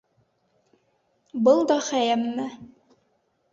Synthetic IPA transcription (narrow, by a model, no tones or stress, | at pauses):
bɤlˠd̪ɒχæjæmːɘ